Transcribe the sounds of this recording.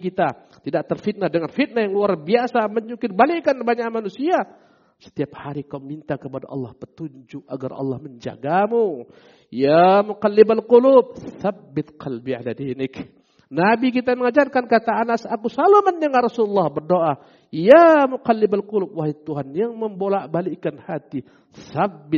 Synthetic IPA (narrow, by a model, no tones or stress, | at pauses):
kit̪a | t̪idaʔt̪ərfit̪̚nahdəŋanfit̪̚nahjaŋluarbiasaməɲukɪrbalikanbaɲaʔmanusia | sə̥t̪iap̚haɾikaumint̪akəpada̰ʔɑ̰lːɑhpət̪uɲd͡ʒʊka̰ɡa̰rɑ̰lːɑhməɲd͡ʒa̰ɡamu | jamuqalːɪbalqulub̚θabːɪt̪̚qʰɑlbiʕa̰lad̪inɪk | nabik̬it̪aməŋad͡ʒarkankat̪aanasakusalaməndaŋaɾasululːɑhbərdoʔa | jamuqalːɪbalqʊlub̚waɦit̪uɦanjaŋməmbolaʔbalikanhat̪i | θabːɪ